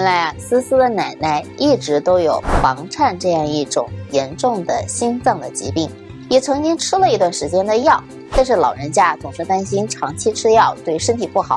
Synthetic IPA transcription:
jɛ˥nla˧˥ɪɐ˧sɹ̩˥sɹ̩˥d̪ə˨na˨˩ɪna˥˩ɪi˥˩ʈ͡ʂɻ̩˧˥t̪o˥ʊjo˨˩ʊfɑ˧˥ŋʈ͡ʂʰa˥˧nʈ͡ʂɤ˥˧jɑ˥˧ŋi˥˩ʈ͡ʂʊ̰˨˩ŋjɛ˧˥nʈ͡ʂʊ˥˩ŋd̪ə˩ɕi˥nt͡sɑ˥˩ŋd̪ə˩t͡ɕḭ˧˥pi˥˩ŋ | jɛ˨˩t͡sʰɤ˧˥ŋt͡ɕi˥ŋʈ͡ʂʰɻ̩˥lə˨i˧˥t̪wa˥˩nʂɻ̩˧˥t͡ɕjɛ˥nd̪ə˧jɑ˥˩ʊ | t͡ɕa˥˧nʂ̬ɻ̩˥˩lɑ˨˩ʊɻə˧˥nt͡ɕja˥˩t͡sʊ˨˩ŋʂɻ̩˧˥t̪a˥nɕi˥nʈ͡ʂʰɑ˧˥ŋt͡ɕʰi˥ʈ͡ʂʰɻ̩˥jɑ˥˩ʊt̪we˥˩ɪʂə˥nt̪ʰi˨˩pu˥˩xɑ˨˩˦

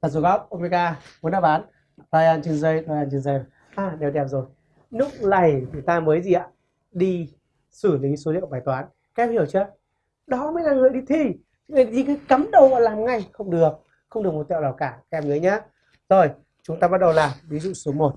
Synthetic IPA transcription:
vaː˨˩zu˧˩ɣɔ˦˥p̚ʔo˧mi˧kaː˧mu˨˦nɗaː˧˩ɓaː˨˦n | laː˧jʔaː˧nt͡ɕə˧ŋzə˧jtaː˧jaː˧nt͡ɕə˧nzə˧jna˨˩ | ʔaː˨˩ɗɛ˨˩wɗɛ˨˩p̚zo˨˩j | lʊ˦˥k̚la˨˧˩jɲ˨˦t̪aː˧məː˨˦jzi˨˩ʔa̰ː˧˦ | ɗi˧ | sɨ˧˩li˨˦so˨˦lḭ˧˨ə˨wɓaː˧˩jt̪waː˨˦n | ka˨˦ʔɛ˧mhi˧˩əwt͡ɕəː˧ | ɗɔ˨˦məː˨˦naː˨˩ŋəː˨˩jɗi˧t̪ʰi˧˦ | ŋɨː˨˩˨i˧t̪i˧kaː˨˦jka˨˦mɗə˨˩wɔ̰ː˧˩laː˨˩mŋa˧˩jxə˧wŋ͡mɗɨ˨˩ək̚ | xə˧ŋ͡mɗəkmo˨˩t̚t̪ɛ̰˧˨laː˨˩kaː˧˩kaː˨˦ʔɛ˧mŋəː˨˦jɲaː˨˦ | zo˨˩j | t͡ɕʊ˨˦ŋ͡mt̪aː˧ɓa˦˥t̚ɗə˨˩wlaː˨˩vi˨˦zṵ˧˨su˨˦mo˨˩t̚

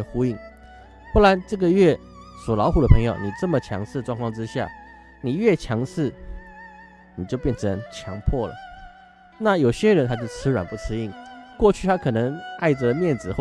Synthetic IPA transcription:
xu˥i˥˩ŋ | xo˥˩la˧˥nʈ͡ʂɤ˥˩ɡə˩ɥɛ˥˩ | swɔ˨˩lɑ˧˥ʊxu˨˩d̪ə˦pʰɤ˧˥ŋjo˨ʊni˨˩ʈ͡ʂɤ˥˩mə˩t͡ɕʰjɑ̰˧˥ŋʂɻ̩˥˧ʈ͡ʂwɑ˥˧ŋkʰɑ˥˧ŋʈ͡ʂɻ̩˥ɕja̰˥˩ | ni˨˩ɥɛ˥˩t͡ɕʰjɑ˧˥ŋʂɻ̩˥˩ | ni˨˩t͡ɕjo˥˧ʊpjɛ˥˩nʈ͡ʂʰə˧˦˥ŋt͡ɕʰjɑ˧˥ŋpʰwɔ˥˩lə̰˩ | na˥˩jo˨˩ʊɕjɛ˥ɻə˧˥nt̪ʰa˥t͡ɕjo˥˩ʊt͡sʰɹ̩˥ɻwa˨˩npu˧˥˩t͡sʰɹ̩˥i˥˩ŋkwɔ˥˧t͡ɕʰy˥˩t̪ʰa˥kʰɤ˨˩nɤ˧˥ŋa˥˩ɪʈ͡ʂə˨˩mjɛ˥˩nt͡sɹ̩˨˩x

